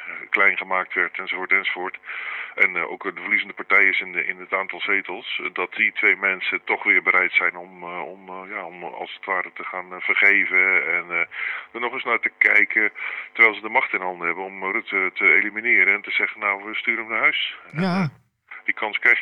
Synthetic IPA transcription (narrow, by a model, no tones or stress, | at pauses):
klɛjnχəmaːk̚tʋɛɹtɛnzovoːɹtɛnzovʊːɹtʔɛno̰wkdəvərlizəndəpaɹtɛjɪsɪnɪ̰nətaːntɑlˠsejtəlˠsdɑt̚ditʋejmɛnsətɔχʋɪːɹbəɾʔɛjtsɛjnɔmɔmjaːɔmɑ̰lˠsətʋaːɾətəχaːnv̥əɹχejvəɛndənɔχɪsnaːɹtəkɛjkətəɹʋɛjlˠzədəmɑχtɪnɦɑndəɦɛbənɔmrʉtətəejliminɪːɾəɛntəzɛχənawʋəstyːɾəmdəɦœɥs | dikɑnskrɛj